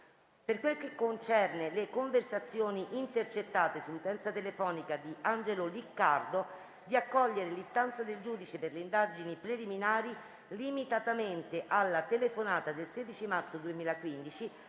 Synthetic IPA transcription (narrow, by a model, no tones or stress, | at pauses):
perkwelkekːont͡ʃɛrnelekoɱversat̪sːjoːniʔint̪ert͡ʃet̪ːaːt̪esulːut̪ɛnt̪sat̪elefɔːnikad̪iand͡ʒelolikːard̪o | d̪iakːɔʎːeɾelist̪ant̪sad̪eld͡ʒuːd̪it͡ʃeperleind̪ad͡ʒinipɾeliminaːɾi | limit̪at̪ament̪eʔalːat̪elefonaːt̪ad̪elsɛːd̪it͡ʃimart̪sod̪uemiːlakwind̪it͡ʃi